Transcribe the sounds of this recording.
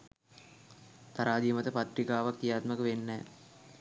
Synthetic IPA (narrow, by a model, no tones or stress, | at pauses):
t̪aɾaːd̪ijmɐt̪əpat̪rikaːʋak̪ːijaːt̪məkəʋenːɛː